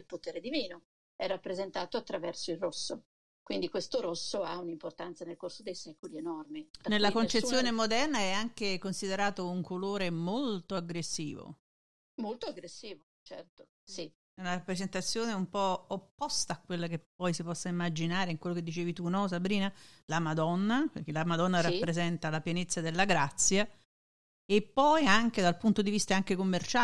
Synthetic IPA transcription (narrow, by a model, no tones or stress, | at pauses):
ilpot̪eːɾed̪iviːno | ɛrːapːɾezent̪aːt̪oat̪ːɾavɛrsoilrosːo | kwind̪ikwest̪oɾosːoaunimport̪ant̪sanelkorsod̪ejsɛːkolienɔrminelːakont͡ʃet̪ːjoːnemod̪ɛrnaɛaŋkekonsid̪eɾaːt̪ouŋkʰoloːɾemolt̪oaɡɾesːḭːvo̰ | molt̪oaɡɾesːiːvo | t͡ʃɛrt̪o̥ | si | ɛunarapːɾezent̪at̪sːjoːneumpɔopːɔst̪aːkːwelːakepːɔjsipɔsːaimːad͡ʒinaːɾeiŋkwelːoked̪ːit͡ʃeːvit̪unɔs̬abɾiːnalamad̪ɔnːaperk̟elamad̪ɔnːaɾapːɾezɛnt̪alapjɛnet̪sːad̪elːaɡɾat̪sːja | epːɔjaŋk̟ed̪alpunt̪od̪ivist̪aaŋk̟ekomːert͡ʃa